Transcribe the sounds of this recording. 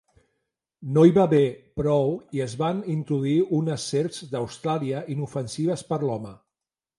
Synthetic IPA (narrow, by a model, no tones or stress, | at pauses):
noiβaβepɾɔwiəzβanint̪ɾuðuiunəsːeɾzd̪əwst̪ɾaliəinufənsiβ̞əspəɾlɔmə